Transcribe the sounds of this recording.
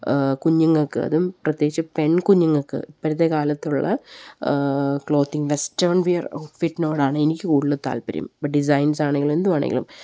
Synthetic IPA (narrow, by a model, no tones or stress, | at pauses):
kuɲːuŋːɐkːɨɐ̰ðumprɐt̪jeːɡit͡ɕːɨpe̞ɳkuɲːuŋːɐɭkːɨ̰ipːɐɾɐt̪ːekaːlɐt̪ːuɭːɐ̰ | kɭo̞ːt̪ːiŋʋestɐrnʋijɐrɐ̰wʈfiʈːino̞ːɽaːɳɨenikʲːɨkuːɽilːɨt̪a̰ːlpɐɾɐ̰mbɐʈ̚ɖis̬ɐjnsaːɳeŋɡilume̞nd̪umaːɳeŋɡilṵm